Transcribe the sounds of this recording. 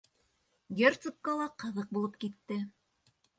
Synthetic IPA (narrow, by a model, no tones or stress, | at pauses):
ɡʲert̪sup̚kɑlˠɑqɤ̆ðɤq̚bulˠɤpkit̪ːɘ